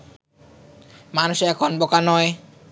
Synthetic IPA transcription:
manuʃɛkʰonbokanɔe

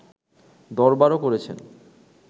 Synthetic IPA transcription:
d̪ɔɾbaɾokoɾet͡ɕʰḛn

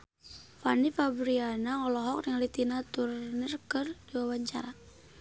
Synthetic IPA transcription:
fanifabɾianaɔlɔɦɔk̚nŋlit̪inat̪urnirkɨrdiwawaɲt͡ʃa̰ɾa

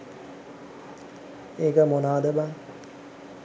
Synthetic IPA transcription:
eːkəmonaːd̪əbaŋ

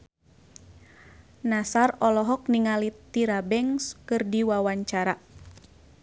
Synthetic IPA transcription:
nasarɔlɔɦɔk̚niŋalit̪iɾabɛŋskɨrdiwawaɲt͡ʃaɾa

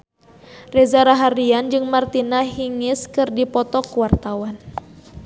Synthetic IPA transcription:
rɛzaɾaɦaɾiand͡ʒɨŋmart̪inaɦiŋɪskɨrdipɔt̪ɔkuwart̪awan

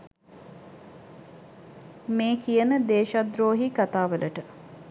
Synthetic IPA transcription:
meːkijənəd̪eːʃad̪ɾoːɦikat̪aːʋəlʔəʈə

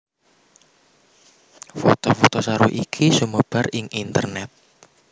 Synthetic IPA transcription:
fot̪ofot̪osaɾuʔikʰisuməb̥a̤rɪŋʔint̪ə̰rnɛt̪̚

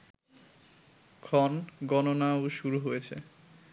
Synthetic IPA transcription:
kʰɔnɡɔnonawʃuɾuɦojet͡ɕʰḛ

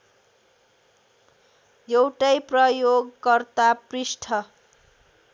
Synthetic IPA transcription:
jewʈajprʌjoɡkʌrt̪aprisʈʰʌ

